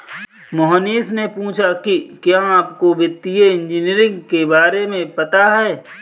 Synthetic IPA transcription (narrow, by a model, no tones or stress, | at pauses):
moɦəniːsnepũːt͡ʃʰakikjãaːp̚kobɪt̪ːijeɪ̃nd͡ʒiniəɾɪ̃ŋɡkebaːɾemẽpɐt̪aɦɛː